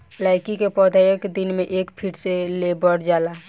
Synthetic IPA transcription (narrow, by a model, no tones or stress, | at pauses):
laːɪkikepɔːd̪ʱajəkd̪ɪnmẽʔeːkpʰiːʈselebəɽd͡ʒaːlaː